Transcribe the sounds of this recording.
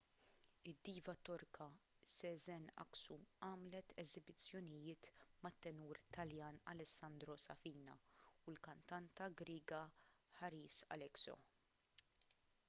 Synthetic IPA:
ɪd̪ːiːvɐt̪ɔɾkʰɐ | sɛzɛnɐ̰ksuɐːmlɛt̪ʰɛzɪbɪt͡sːjɔnɪjɪːt̪mɐt̪ːɛnuːɾt̪ɐljɐːnɐ̰lɛsːɐnd̪ɾɔsɐfiːnɐ̰ʊlkɐnt̪ɐnt̪ɐɡɾiːɡɐħɐɾiːsɐ̰lɛksɔ̰

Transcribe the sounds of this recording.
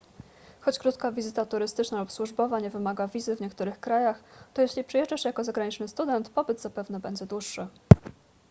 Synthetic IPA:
xɔt͡ɕkɾut̪kavʲizɘt̪at̪uɾɘst̪ɘt͡ʂnalupswuʐbɔvaɲɛvɘmaɡavʲizɘvɲɛkt̪uɾɘxkɾajaxt̪ɔjeɕlʲipʂɛjɛʐd͡ʐaʂjakɔzaɡɾaɲit͡ʂnɘst̪ud̪ɛnt̪pɔbɘd̪zapɛvn̪ɛbɛɲd͡ʑɛd̪wuʂːɘ

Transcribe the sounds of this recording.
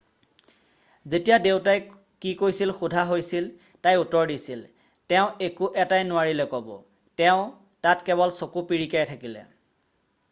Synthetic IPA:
zetijadeʊtaj | kikojsilxudʱaɦojsil | tajutɔɹdisil | tɛʊ̃ekuʔɛtajnʊaɹilɛkɔbɔ̰ | tɛʊ̃ | tatkɛβɔlsokupiɹikajtʰakilɛ̰

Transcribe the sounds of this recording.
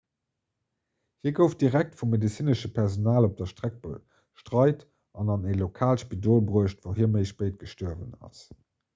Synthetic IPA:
hiːɐɡəʊft̚d̥iʁæk̚tfumːedit͡siːnəʃəpʰɛʁzonaːlop̚d̥ɐʃtʁæk̚b̥u | ʃtʁɑɪt | ɑnɑnelokʰaːlʃpidoːlbʁuəʃtvəʊhiːɐməɪʃpəɪt̚ɡ̥əʃtɔɐvə̰nɑ̰s

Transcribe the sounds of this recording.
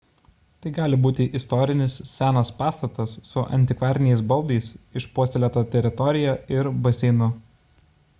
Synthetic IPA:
t̪ɐɪɡɑːlʲɪbuːt̪ʲɪʔɪst̪ɔɾʲɪnʲɪssʲæːnɐspɑːst̪ɐt̪ɐsːʊʔɐ̰nʲt̪ʲɪkʋɑːɾʲnʲjɛɪsbɐlˠd̪ɐɪsɪʃpuɔːsʲt̪ʲɛlʲɛt̪ɐːt̪ʲɛɾʲɪt̪ɔɾʲɪjæːɪɾbɐsʲɛɪnʊ

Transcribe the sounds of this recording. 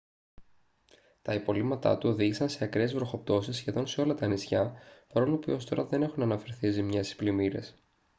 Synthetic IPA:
t̪ɐipo̞limɐt̪ɐ̰t̪uo̞ðiʝisɐnse̞ɐkɾezvɾo̞xo̞p̚t̪o̞sisːçe̞ðo̞nseo̞lɐt̪ɐːnisçɐfɐɾonopḭo̞st̪o̞ɾɐðe̞ne̞xunɐnɐfe̞ɾθizimɲesi̥splimiɾe̞̰s

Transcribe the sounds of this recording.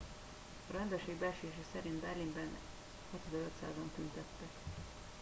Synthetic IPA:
ɒɾɛnd̪ørʃeːɡbɛlʃeːʃɛsɛɾind̪bɛrlimbɛn | ɛt̪ɛd̪ɛløt̪sa̰ːzɒnt̪ynt̪ɛt̪ːɛk

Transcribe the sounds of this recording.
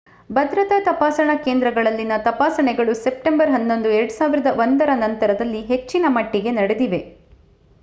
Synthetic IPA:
bɐd̪ɾɐt̪ɐt̪ɐpaːsɐɳɐkeːnd̪ɾɐɡɐɭɐlːinɐt̪ɐpaːsɐɳɛɡɐɭuse̞p̚ʈembɐɾɦɐnːo̞nd̪ueɾɐɽusaːʋiɾɐd̪ɐʋond̪ɐɾɐnɐnt̪ɐɾɐd̪ɐlːiɦe̞t͡ʃːinɐmɐʈːiɡe̞nɐɽed̪iʋe̞

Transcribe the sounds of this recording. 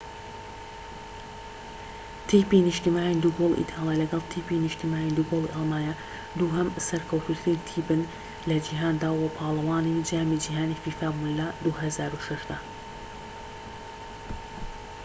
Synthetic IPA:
t̪ʰipiniʃt̪imaːind̪uɡolˠʔḭt̪ʰaːlˠjalɐɡɐlˠt̪ʰipiniʃt̪imaːind̪uɡolˠiʔɑlˠmaːja | d̪uɦɐmsɐɾkʰɐwt̪ʰut̪ʰɾint̪ʰiːbɨn | lɐd͡ʒiɦaːnd̪aːwɐpʰaːlˠɐwaːnid͡ʒiaːmid͡ʒiɦaːnifiːfaːbuːnlɐd̪uɦɐzaːɾuʃɐʃd̪ɐ

